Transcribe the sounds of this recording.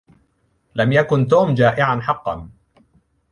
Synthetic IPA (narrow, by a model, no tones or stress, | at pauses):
lamjakʊnt̪uːmd͡ʒaːʔɪʕanħɑqːɑ̰n